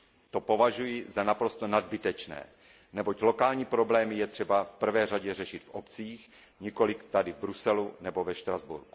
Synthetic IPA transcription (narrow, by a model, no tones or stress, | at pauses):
t̪o̞po̞vaʒujɪzanapɾo̞st̪onad̪̚bɪt̪ɛt͡ʃnɛ̰ː | nɛbo̞clo̞kaːlɲiːpɾo̞blɛːmɪjɛt̪r̥ɛbafpr̩vɛːraɟɛrɛʃɪt̪fʔopt͡siːx | ɲiko̞lɪkt̪adɪvbɾusɛlunɛbo̞vɛʃt̪ɾazbṵɾku̥